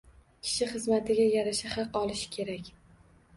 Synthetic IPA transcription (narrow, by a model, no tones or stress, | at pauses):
kʲʰɪ̥ʃɪχɨzmat̪ʰɪɡʲajaɾaʃɪhɑqɒlˠɪʃɪ̥kʲʰe̞ɾakʲ